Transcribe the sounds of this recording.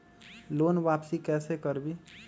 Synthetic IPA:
loːnʋaːpsikɛːsekəɾbi

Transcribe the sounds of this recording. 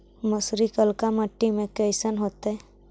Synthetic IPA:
məsɾikəlkaməʈːimẽkəɪsənɦoːt̪ɛ

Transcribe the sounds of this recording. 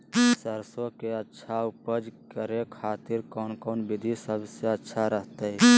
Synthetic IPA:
səɾsõkeətːʃʰaʊpəd͡ʒkəɾekʰaːt̪ɪɾkɔːnkɔːnbɪd̪ʱisəbseətːʃʰaɾəɦt̪eɦɛ

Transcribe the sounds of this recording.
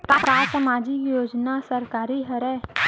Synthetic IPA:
k̪apɾaːsəmaːd͡ʒɪkjoːd͡ʒnasəɾkaːɾiɦəɾɛ

